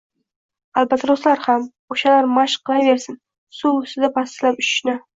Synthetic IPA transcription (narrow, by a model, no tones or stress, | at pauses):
alˠbat̪ʰːɾoslaɾham | oʃalaɾmaʃqʰːɨlˠajveɾsɪn | suʊst̪ɪd̪apʰast̪ɪlapʊʃʃnɪ